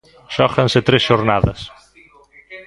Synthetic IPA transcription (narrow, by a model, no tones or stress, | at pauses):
ʃɔxansɪt̪ɾesʃoɾnaðɐs